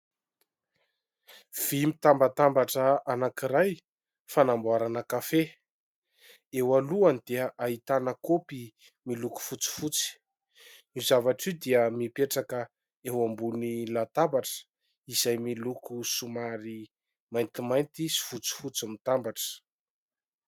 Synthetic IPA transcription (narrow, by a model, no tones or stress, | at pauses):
v̥imit̪ambat̪ambaʈ͡ʂəanakiɾaj | fanambuaɾanəkafe | ewaluanid̪̥iʔaɦit̪anakopi | miluku̥fut͡si̥fut͡si̥ | nizavaʈ͡ʂid̪iəmipeʈ͡ʂakə | ewambunilat̪abaʈ͡ʂə̥ | izajmilukusumaɾi | majnt̪imajnt̪isi̥fut͡si̥fut͡simit̪ambaʈ͡ʂə̥